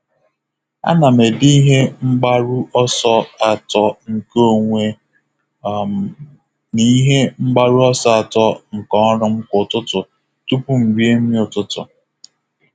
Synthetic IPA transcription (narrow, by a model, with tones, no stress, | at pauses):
a̰˦na˨me˨di˦ɦe˦ŋ͡m̩˦ɡ͡ba˦ɾu˦ʔɔ˦sɔ˦a˨tɔ˦ŋ̩˨ko˦˨ŋʷe˦˨ | ni˦ɦe˦ŋ͡m̩˦ɡ͡ba˦ɾu˦ɔ˦sɔ˦a˨tɔ˦ŋ̩˨kɔ˦ɾʊ˦ŋ͡m̩˦kʊ˨tʊ˦tʊ˨ | tu˦pu˦m̩˨ɾi˦e˦mi˦ʊ˨tʊ˦tʊ̰˨